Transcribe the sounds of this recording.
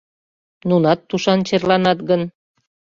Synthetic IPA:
nunɑt̪ːuʃɑnt͡ɕerlɑnɑt̪ɡən

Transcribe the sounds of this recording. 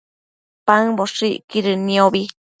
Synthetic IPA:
paŋboʂiʔkiɾɨnĩoβi

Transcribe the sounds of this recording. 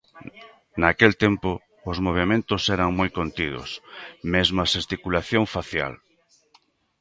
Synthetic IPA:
nakelt̪empʊː | zmoβ̞emẽnt̪ʊsɛɾaŋmojkont̪iðʊ̰smezmasest̪ikulaθjõŋfaθja̰l

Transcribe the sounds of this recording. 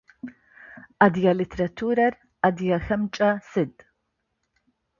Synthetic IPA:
ad̪jalit̪ʰeɾɐt̪ʰuːɾɐɾ | ɐd̪jaxɐmt͡ʃʼɐsɨd̪ʼ

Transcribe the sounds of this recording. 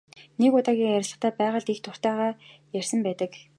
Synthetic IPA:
nekʊt̪aːɣʲiːŋjæɾ̆ʲɮə̆χt̪ʰæːpæːʁə̆ɮt̪ixt̪ʰʊr̥t̪æːʁaːjær̥ʲsə̆mpæːt̪ə̆k

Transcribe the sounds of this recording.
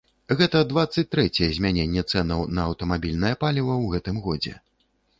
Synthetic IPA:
ɣɛt̪ɐd̪vat̪sːɐt͡sʲt̪ɾɛt͡sʲɛjɛzʲmʲanʲɛnʲːɛt̪sɛnɐwnɐːwt̪ɐmabʲilʲnɐjɐpalʲivɐwɣɛt̪ɨmɣɔd͡zʲɛ̰

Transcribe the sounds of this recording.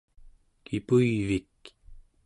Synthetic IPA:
kʰipuivik

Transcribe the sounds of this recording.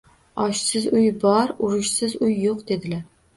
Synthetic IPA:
ɒʃsɪzʊjbɒɾʊɾɪʃsɪzʊjːoqd̪e̞d̪ɪlaɾ

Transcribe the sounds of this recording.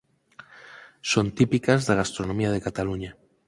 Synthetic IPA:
sont̪ipikazðaɣ̞ast̪ɾonomiað̞ekat̪aluɲa

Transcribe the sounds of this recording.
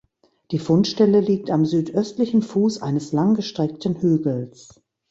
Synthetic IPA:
d̥iːfʊntʃtɛləliːk̚tamzyːtʔœstlɪçn̩fuːsʔa̰ɪnəslaŋɡəʃtʁ̥ɛk̚tn̩hyːɡl̩s

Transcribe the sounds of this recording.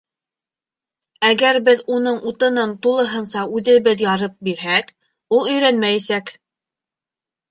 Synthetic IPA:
æɡæɾbɘðunɤɴut̪ɤ̆nɤnt̪ulˠɤ̆ɦɤ̆nsɑʉðɘ̆βɘðjɑɾɤp̚biɾɦæk | ulˠɵ̆jɾænmæjæsæk

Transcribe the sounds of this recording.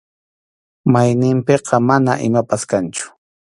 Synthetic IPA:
majnɪmpeqʰɑmanaʔɪmapaskant͡ʃʊ̥

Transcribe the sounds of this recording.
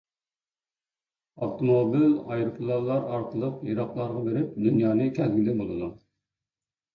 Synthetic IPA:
ɑft̪ʰomobilɑjɾupʰlˠɑlˠːɑɾɑɾqʰəlˠəqjɑɾɑqlˠɑɾʁɑbeɾɪp̚d̪ynjɑːnɨkʲʰɛlɡʲilɪbolˠɨd̪u

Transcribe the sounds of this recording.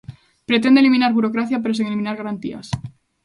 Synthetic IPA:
pɾet̪end̪elimĩnaɾβuɾokɾaθjapeɾos̬iŋelimĩnaɾɣaɾant̪ḭa̰s

